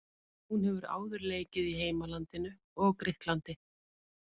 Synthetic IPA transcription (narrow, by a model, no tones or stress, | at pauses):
hunhɛvʏɾa̰ːwðʏɾleːjcɪðiɦeːjmalant̪ɪnʏ | ɔɣkɾɪht̪lant̪ɪ